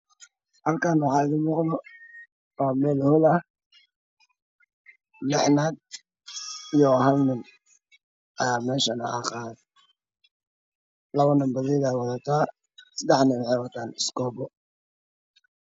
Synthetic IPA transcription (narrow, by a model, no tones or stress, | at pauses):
hɐlkʰanwɑħɑːɪðɪmɔqðɔ | waːmɛːlhʊlɐ | lɛħnaːd̪̚ | ijɔɦɐlnʊn | ʔɐjaːmɛːʃɐnɐ̰a̰ːqɑːð | lɐβɐnɐmbɐðɛːðwɑðɐt̪ʰaː | sɐd̪ɛħnɛwħɛwat̪ʰaːnɪskɔːbɔ